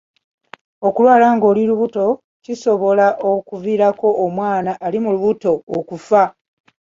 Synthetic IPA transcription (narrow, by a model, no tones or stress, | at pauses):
o̞kuβalaŋɡo̞ːliluβuto̞ | ciso̞βo̞laʔokuviːɾako̞ʔːmwaːnaʔːlimuluβuto̞ːkufa